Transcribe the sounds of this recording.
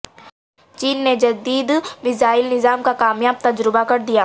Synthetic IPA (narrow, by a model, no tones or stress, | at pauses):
t͡ʃiːnːed͡ʒɐd̪iːd̪mɪzaːɪlnɪzaːmkakaːmjaːb̚t̪ɐd͡ʒɾɪbakɐɾd̪ijaː